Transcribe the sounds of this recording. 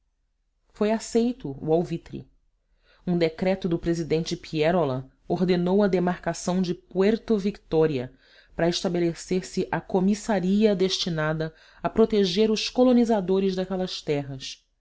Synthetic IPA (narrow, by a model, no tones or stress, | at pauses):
fojasejt̪ʊṵawvit̪ɾḭ | ũd̪ekɾɛt̪ʊd̪ʊpɾezid̪ẽnt͡ʃɪpʰiɛɾolɐ̃ | oɾd̪enowɐd̪emaɾkasɐ̃w̃d͡ʒɪpuɛɾt̪ovikt̪ɔɾiɐ | pɾɐeʃt̪abeleseɾsɪʔɐkomisaɾiɐd̪eʃt͡ʃinad̪ɐ | ɐpɾot̪eʒeɾʊskolonizad̪oɾɪzd̪ɐkɛlɐʃt̪ɛɦɐs